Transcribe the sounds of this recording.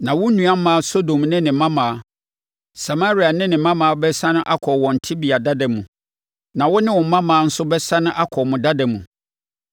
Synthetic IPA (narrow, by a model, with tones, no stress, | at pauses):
nã˨wʊ˦nũ˨a˦m˦mã˦so˦dõ˨mnɪ̃˦nɪ̃˨mã˦mãː˨˦ | sa˨ma˦ɾi˨a˨nɪ̃˦nɪ̃˨mã˦mãː˨a˦bɛ˦sã˦nʊ̃˦ʔa˦kʰɔ˨wɔ̃˨n̩˨tʰi˦bi˨a˨da˦da˨mũ˨ | nã˨wʊ˦nɪ̃˦wʊ̃˨˦mã˦mãː˨˦n̩˦sʊ˦bɛ˦sã˦nʊ̃˦ʔa˦kʰɔ˨mʊ̃˨da˦dã˨mṵ̃˨